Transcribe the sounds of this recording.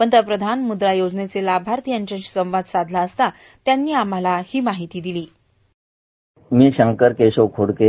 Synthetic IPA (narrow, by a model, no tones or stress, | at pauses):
ənt̪ɾəpɾəd̪ʱanmud̪ɾajod͡znet͡selabʱaɾt̪ijaɲt͡ɕeɕsə̃w̃ʋad̪sad̪ʱlaəst̪a | t̪janːiːam̤alahiːmaɦit̪iːd̪iliː | miːɕəŋkəɾkeɕokʰoɽke